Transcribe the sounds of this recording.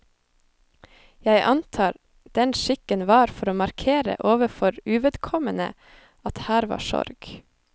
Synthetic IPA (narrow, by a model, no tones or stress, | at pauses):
jæɪʔɑnt̪ʰɑːɾ | d̪̥ɛnʃɪkənʋɑːɾfɔɾoːmɑɾkʰeːɾə̰ʔoːʋəfɔɾʉːʋɛd̪kʰɔmənə̰ | ɑt̪hæːɾʋɑ̰ːʃɔ̰ɾɡ̥